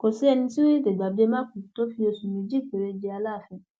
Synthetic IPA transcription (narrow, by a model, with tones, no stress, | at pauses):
ko˨si˨˦ɛ˧nĩ˧ti˦wi˦de˨ɡ͡ba˨bi˦e˧mã˦kũ˨to˦fi˧o˧su˨mĩ˨d͡ʒi˦˨k͡pe˨ɾe˧d͡ʒe˧a˧la˦˨fĩ˧